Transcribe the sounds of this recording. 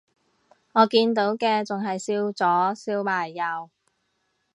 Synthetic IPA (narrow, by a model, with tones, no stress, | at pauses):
ŋɔː˨˧kiː˧nt̪o˨˥wkɛː˧t͡sʊ˨ŋɦɐ˨jsiː˧wt͡sɔː˨˥siː˧wmaː˨˩jːɐ˨˧w